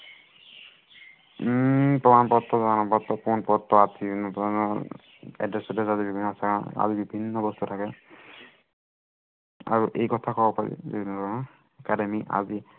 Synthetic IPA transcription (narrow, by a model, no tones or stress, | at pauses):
pɔmanpɔt̪ːɔzaanɔpɔt̪ːɔpɔnpɔt̪ːɔat̪inɔpɔanɔ | ɛ̰dɹɛsɔdɛzazibibʱinːɔsʰakaa̰zibibʱinːɔbɔst̪utʰakɛ | a̰ɹuʔejkɔtʰakɔbɔpaɹḭzḭbinɔdɔnɔ | ɛkademiʔa̰zi